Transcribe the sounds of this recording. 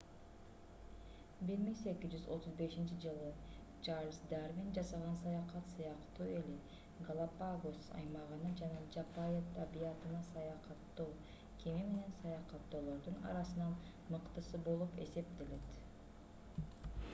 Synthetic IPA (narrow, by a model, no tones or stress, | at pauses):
biɾmiŋsekʲizd͡ʒyzo̞t̪ʰuzbe̞ʃint͡ʃid͡ʒɯlˠɯ | t͡ʃarlʲsd̪aɾmind͡ʒɑsɑʁɑnsɑjɑqɑt̪sɯjɑqt̪uːe̞li | ɡalˠapaɡosɑ̰jmɑʁɯnɯd͡ʒɑnɑd͡ʒapajet̪ʰɑbijɑt̪ɯnɑsɑjɑqɑt̪ːoː | kʰemime̞ne̞nsɑjɑqɑt̪ːo̞ːlˠo̞ɾd̪unɑ̰ɾɑsɯnɑn | mɯqt̪ɯsɯbo̞lˠupe̞se̞p̚t̪e̞le̞t̪